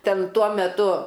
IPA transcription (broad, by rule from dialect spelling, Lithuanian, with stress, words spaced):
ˈtʲɛn ˈtuɔ mʲɛˈtʊ